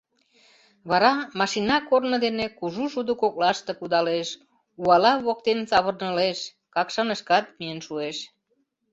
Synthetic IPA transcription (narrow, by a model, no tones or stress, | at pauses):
βɑɾɑmɑʃinɑkornə̆d̪enekuʒuʃud̪əkok̚lɑʃt̪ekud̪ɑleʃ | uɑlɑβok̚t̪ent͡sɑβə̆rnəleʃ | kɑkʃɑnəʃkɑt̪̚miənʃueʃ